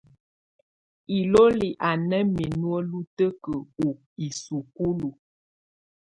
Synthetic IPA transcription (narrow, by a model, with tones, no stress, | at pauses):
i˨lo˦li˨ʔa˨nə˦mi˨nwə˦lu˦tə˦kə˨u˨ | i˨su˨ku˦lu˨